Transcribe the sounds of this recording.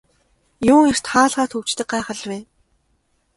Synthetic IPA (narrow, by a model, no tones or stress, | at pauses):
jʊːŋer̥t̪χaːɮʁaːt̪ʰɵw̥t͡ɕt̪ɘ̆k̚ɢaːχə̆ɮweː